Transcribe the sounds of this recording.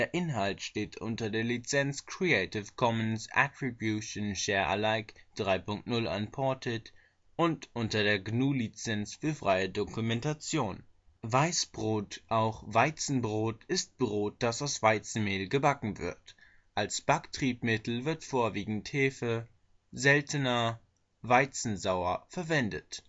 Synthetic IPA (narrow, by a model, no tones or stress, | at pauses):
d̥eːɐʔɪnɦaltʃteːtʰʔʊ̰ntɐdeːɐlit͡sɛnt͡skʁ̥ieɪtɪfkʰɔmənsʔa̰tʁ̥ibjuʃonʃɛːɐʔa̰laɪkd̥ʁaɪpʊŋk̚tnʊla̰npʰɔɐtʰət | ʔʊntʔʊntɐdeːɐɡnuːlit͡sɛnsfyːɐfʁ̥aɪədʊkumɛntat͡sjoːn | vaɪsb̥ʁoːtʔaʊxv̥aɪt͡sn̩bʁoːtɪst̚b̥ʁoːt̚d̥asaʊsv̥aɪt͡sn̩meːlɡəbakŋ̩vɪ̰ɐt | ʔalsb̥aktʁ̥iːpmɪtl̩vɪɐtfoːɐviːɡŋ̩theːfə | zɛltənɐ | vaɪt͡sn̩zaʊɐfɛɐvɛndət